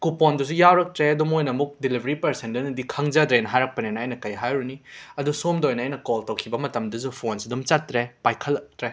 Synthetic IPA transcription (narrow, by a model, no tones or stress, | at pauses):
kupondus̬ujawɾɐk̚tɾeɐdumojnɐmuk̚dilibʱɐɾipɐɾsendɐnɐdikʰɐŋzadɾenɦajɾɐk̚pɐnenɐːjnɐkɐjɦajɾuniɐdusomdɐojnɐːjnɐkoltɐwkʰibɐmɐtɐmdɐzupʰonsidumt͡ʃatɾepajkʰɐlːɐk̚tɾe